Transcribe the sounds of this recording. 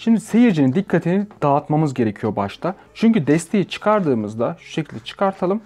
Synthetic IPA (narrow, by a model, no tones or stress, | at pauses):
ʃimd̪ise̞jiɾd͡ʒinind̪ikʰːat̪ʰinid̪̥aːt̪mamɯzɟe̞ɾe̞cʰijo̞baʃt̪ʰa | t͡ʃʰyɲcyd̪ɛst̪ʰe̞jit͡ʃʰɯ̥kʰaɾd̪ɯːmɯzd̪aʃu̥ʃecʰilʲd̪ɛt͡ʃʰɯ̥kʰaɾt̪ʰalˠɯm